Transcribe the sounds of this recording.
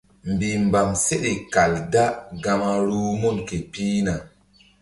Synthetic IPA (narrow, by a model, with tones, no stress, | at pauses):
mbi˨m˨ba˨mse˦ɗe˨ka˨lda˦ɡa˦ma˦ɾu˦mu˦˨nke˨pi˦na˨